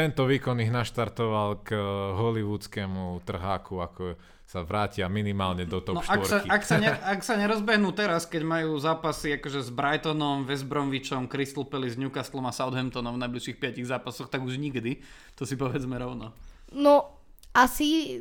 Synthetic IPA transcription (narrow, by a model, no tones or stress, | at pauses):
t̪ɛnt̪ɔʋiːkɔniɣnaʃt̪aɾt̪ɔʋalɡɦɔliʋuːt͡skɛːmut̪r̩ɦaːkuakɔ | saʋɾaːcɪaminimaːlɲɛnd̪ɔt̪ɔɔʃaɔɾaiaksaɲɛaksaɲɛɾɔzbɛɦnuːt̪ɛɾaskɛɟmajuːzaːpasiakɔʒɛzbɾajt̪ɔnɔmʋɛzbɾɔnʋit͡ʃɔmkɾist̪l̩pɛlizɲukast̪lɔmasaʊd̪ɦɛnt̪ɔnɔmvnajbliʃixpɪaciɣzaːpasɔxt̪aɡuʒɲiɡd̪i | t̪ɔsipɔʋɛd͡zmɛɾɔʊnɔ | nɔ | asi